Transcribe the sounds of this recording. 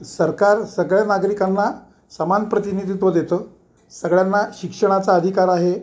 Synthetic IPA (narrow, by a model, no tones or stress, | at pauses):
səɾkaɾsəɡɭjanaɡɾikanːa | səmanpɾət̪inid̪ʱit̪ʋəd̪et̪əː | səɡɭjanːaɕikʂəɽ̃at͡saəd̪ʱikaɾaɦe